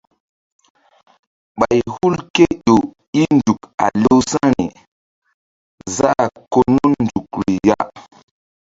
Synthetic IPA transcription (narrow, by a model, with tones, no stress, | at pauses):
ɓa˨jhu˦lke˦ɗo˨ | i˦ndu˨ka̰˨lo˦wsã˦ɾḭ˨ | za˦˨ko˨no˦nnd͡ʒu˨k̚ɾi˨ja˦